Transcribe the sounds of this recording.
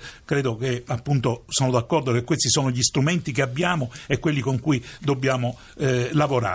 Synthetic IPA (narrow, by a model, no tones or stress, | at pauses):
kɾɛːd̪okeapːunt̪osoːnod̪akːɔrd̪okekːwest̪isoːnoʎist̪ɾument̪ik̬eabːjaːmoɛkːwelːikoŋkuid̪obːjaːmo | lavoɾa̰ː